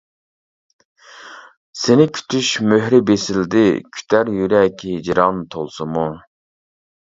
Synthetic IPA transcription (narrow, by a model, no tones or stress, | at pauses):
senɪkʲʰy̥t̪ʰyʃmøhɾɪbesɪld̪ɪ̰kʲʰy̥t̪ʰæɾjyɾɛkʲɦid͡ʒɾɑnt̪ʰolˠsɨmu